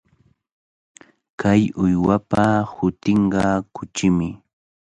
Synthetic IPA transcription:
kajʊjwapahʊt̪ɪɴɢɑkʊt͡ʃɪmɪ

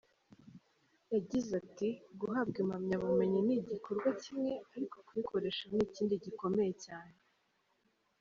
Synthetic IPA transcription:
jaɟizatiɡuɦab̚ɡimamɲaβume̞ɲiniɟiko̞ɾɡwacimŋe̞aɾiko̞̥kwikʰo̞ɾe̞ʃaniːciːndiɟiko̞me̞je̞caːne̞

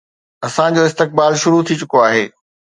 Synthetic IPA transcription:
ɐsãd͡ʑoɪst̪ɪk̚baːlʃʊɾut̪ʰit͡ɕʊkoaːɦeː

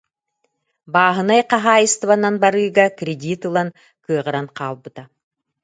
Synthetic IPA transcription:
baːɦɯnajqɑɦaːɯst̪vananbaɾɯːɡakɾʲedʲit̪ɯlˠan | kɯɐʁɯɾanqʰɑːlˠbɯt̪a

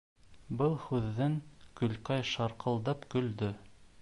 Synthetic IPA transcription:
bɤlˠhʉðːɘŋkɵ̆lqɑjʃɑɾqɤ̆lˠd̪ɑpkɵ̆ld̪ɵ

